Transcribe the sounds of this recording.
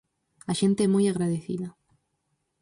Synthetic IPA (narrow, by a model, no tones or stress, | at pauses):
aʃent̪eemujaɣɾaðeθḭða